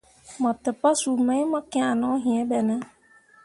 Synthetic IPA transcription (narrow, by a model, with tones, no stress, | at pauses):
mɔ̃˨tɛ˨pa˦su˨mã˨˦mɔ̃˦kɪ̃˦a˨nɔ̃˨˦ɦĩ˨ɛ̃˦bɛ˨nã˦